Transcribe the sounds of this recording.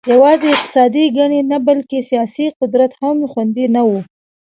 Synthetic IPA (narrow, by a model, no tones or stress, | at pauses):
jawɑzeɪq̚t̪ɪ̥sɑd̪iɡaɳenabalkesijɑsiqʊd̪ɾat̪hamxwand̪inawu